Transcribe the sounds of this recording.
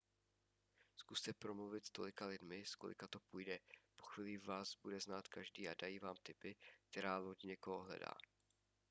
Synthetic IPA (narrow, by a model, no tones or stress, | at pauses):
skust̪ɛpɾomluvɪt̪st̪o̞̰lɪkalɪdmɪsko̰lɪ̰kat̪o̞pujdɛpo̞xviːlivaːsbudɛznaːt̪kaʒdiːʔadajiːvaːmt̪ɪpɪk̚t̪ɛɾaːloɟɲɛkoɦoɦlɛ̰da̰ː